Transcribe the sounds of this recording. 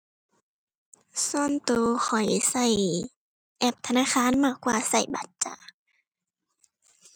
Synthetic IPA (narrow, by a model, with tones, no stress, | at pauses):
so˧˨nt̪oː˧xɔ˨˩jsa˧˩j | ʔɛ˧˩p̚t̪ʰa˧naː˧˥˨xaː˧˥˨nmaː˧˩kːwaː˧sa˧˩jba̰˧˦t̪̚t͡ɕa̰˧